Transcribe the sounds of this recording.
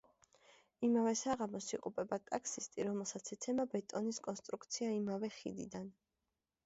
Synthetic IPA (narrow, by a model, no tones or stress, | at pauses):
imavɛsaʁamɔsiqʼupʼɛbat̪ʼakʰsist̪ʼiɾɔmɛlˠsat̪sʰɛt̪sʰɛmabɛt̪ʼɔniskʼɔnst̪ʼɾuk̚ʰt̪sʰiaimavɛχḭd̪id̪an